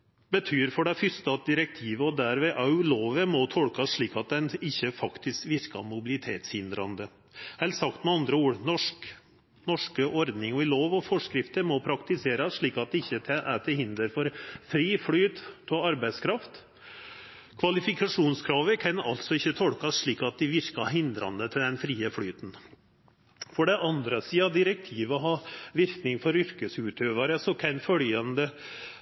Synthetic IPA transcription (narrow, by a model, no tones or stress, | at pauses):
bət̪ʰyːɾfɔɖɛfʏst̪əɑt̪̚d̪ɪɾɛk̚t̪ʰiːʋəɔd̪æɾʋɛːʔɑʉloːʋəmɔt̪ʰɔlkɑsʂɭiːkɑt̪̚d̪ɛnɪçːəfɑkt̪ɪskʋɪɾkɑ̰mʊbɪlɪt̪ʰeːt̪shɪnd̪ɾɑnd̪ə | hɛlt̪sɑkt̪mɛɑnd̪ɾəuːɾnɔʂk | nɔʂkəʔɔɾd̪nɪŋɔɪloːʋɔfɔʂkɾɪft̪əɾmɔpʰɾɑkt̪ɪseːɾɑsʂɭiːkɑt̪̚d̪ɪçːət̪ʰɛʔæʈ̪ʰɪlhɪnd̪əɾfɔɾfɾiːfɽyːt̪ɔɑɾbæɪskʰɾɑft̪ | kʰʋɑlɪfɪkɑʂuːnskʰɾɑːʋəkʰɑnɑ̰lt̪sɔɪçːət̪ʰɔlkɑsʂɭiːkɑt̪̚d̪ɪʋɪɾkɑɦɪnd̪ɾɑ̰nd̪ət̪ʰɪld̪ɛnfɾiːəfɽyːt̪n̩ | fɔɖɛʔɑnd̪ɾəsiːɑd̪ɪɾək̚t̪ʰiːʋəɔɦɑːʋɪɾknɪŋfɔɾʏɾkəsʉːt̪øːʋɑɾəsɔkʰɛnfœljɑnd̪ə